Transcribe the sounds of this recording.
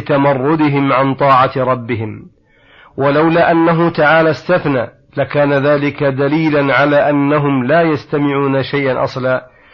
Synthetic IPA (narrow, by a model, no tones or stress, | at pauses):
t̪amɑrˤːʊd̪ɪɦɪmʕant̪ˤɑːʕɑɾˤɑbːɪɦɪm | walawlaːʔanːaɦʊt̪aʕaːlaːst̪aθnaː | lakaːnaðaːlɪkad̪aliːlanʕalaːʔanːaɦʊmlaːjast̪amɪʕuːnaʃajʔanʔɑ̰sˤlaː